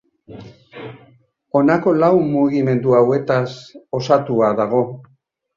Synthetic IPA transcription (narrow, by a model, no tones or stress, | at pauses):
o̞nako̞lawmːuɣime̞nd̪uawe̞t̪aso̞sat̪uaðaɣ̞o̞